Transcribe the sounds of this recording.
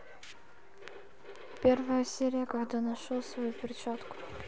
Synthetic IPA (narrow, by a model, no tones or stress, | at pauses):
pʲervəjəsʲeɾʲɪjəkɐʕd̪anɐʂolˠsvɐjupʲɪrʲt͡ɕat̪kʊ̥